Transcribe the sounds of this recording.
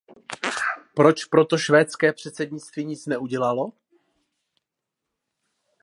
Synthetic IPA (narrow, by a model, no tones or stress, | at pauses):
pɾo̞t͡ʃpɾo̞t̪o̞ʃvɛːt͡skɛːpr̝̥ɛt̪sɛdɲɪt͡st̪viːɲɪt͡snɛʔuɟɛlalo̞